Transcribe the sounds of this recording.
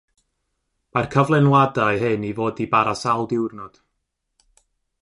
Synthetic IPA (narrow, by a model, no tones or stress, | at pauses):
markʰəvlˠɛnwadaɨhɨnivoːdibaɾasalˠdɪwrnɔd̥